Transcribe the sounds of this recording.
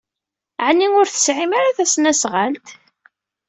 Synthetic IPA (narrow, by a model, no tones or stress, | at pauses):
ʕnːiŋʊɾθə̥sʕimaɾaθæsnæsʁalt̪